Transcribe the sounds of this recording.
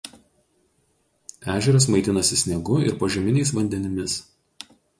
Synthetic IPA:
æːʒʲɛɾɐs̬mɐɪt̪ʲɪnɐsʲɪsʲnʲɛɡʊɪ̰ɾpɐʒʲɛmʲɪnʲɛɪs̬ʋɐnʲd̪ʲɛnʲɪmʲɪs

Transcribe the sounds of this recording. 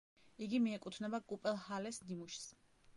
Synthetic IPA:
iɡimiɛkʼut̪ʰnɛbakʼupʼɛlˠhalɛsnimuʃs

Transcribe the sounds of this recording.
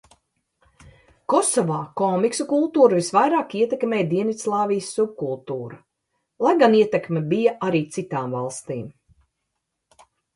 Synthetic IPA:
kɔsɔvaːkɔmiksukulˠt̪uːɾvisvajɾaːkiɛt̪ekmʲeːjd̪iɛnit̪slˠɑːvijsːub̚kulˠt̪uːɾɐ | lˠajɡaniɛt̪ɛkmʲɛbijaaɾiːt̪sit̪aːmvalˠst̪iːm

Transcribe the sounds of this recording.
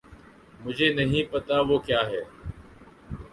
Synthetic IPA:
mʊd͡ʒʱeːnəɦĩːpət̪aːʋoːkjaːɦɛː

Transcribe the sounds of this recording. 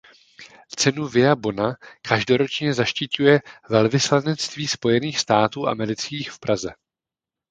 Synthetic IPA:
t͡sɛnuvɪabo̞nakʰaʒdo̞ɾo̞t͡ʃɲɛzaʃcɪcujɛvɛlvɪslanɛt͡st̪viːspo̞jɛniːxst̪aːt̪uːʔa̰mɛɾɪt͡skiːxfpɾazɛ

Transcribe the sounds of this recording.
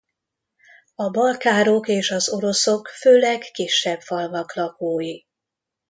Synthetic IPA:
ɒbɒlkaːɾo̞keːʃɒzo̞ɾo̞so̞kføːlɛɡːiʃːɛbfɒlmɒklɒkoːji

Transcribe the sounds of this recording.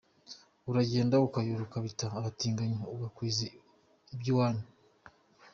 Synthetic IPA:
uɾaɟeːndaukajoɾukaβitaːβatiːŋɡaɲouɡakwiːzi | ibjuwaːni

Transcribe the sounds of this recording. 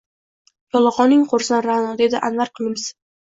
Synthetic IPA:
jɒlˠɒʁɒnɪŋqoɾsanɾanɒd̪e̞d̪ɪʔanvaɾqʰɨlˠɪmɪz̥

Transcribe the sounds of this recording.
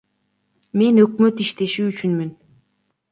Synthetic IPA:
me̞nøkmøt̪iʃt̪e̞ʃyːt͡ʃynmyn

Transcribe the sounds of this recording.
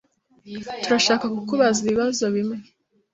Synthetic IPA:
tuɾaʃaːkakukuβaziβiβazo̞βimŋe

